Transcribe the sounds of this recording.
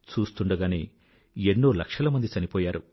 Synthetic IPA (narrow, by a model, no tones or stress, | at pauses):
t͡ʃuːst̪uɳɖɐɡaːneː | enːoːlɐkʂɐlɐmɐnd̪it͡ʃɐnipɔːjaːɾu